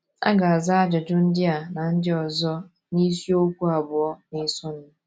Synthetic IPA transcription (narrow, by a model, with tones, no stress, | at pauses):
a̰˦ɡa˨a˨za˦a˦d͡ʒɔ˨d͡ʒʊ˦n̩˦dɪ˦a˨na˨n̩˦dɪ˦ɔ˨zɔ˦ | ni˦si˦o˦kʷu˦a˨bʊ˨ɔ˦nɪ˦sʊ˦n̩˦